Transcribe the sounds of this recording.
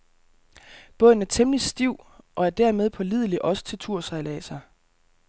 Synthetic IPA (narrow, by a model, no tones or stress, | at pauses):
b̥ɔ̽ð̰n̩æɐt͡sʰemlisd̥iʊ̰ʔɒ̽æɐd̥æɐ̰með̞ˠpʰɒ̽lið̞ˠliʔɒ̽sə̥t͡sʰe̝lt͡sʰuɐ̰sɑ̈ɪlæsɑ̈ɪ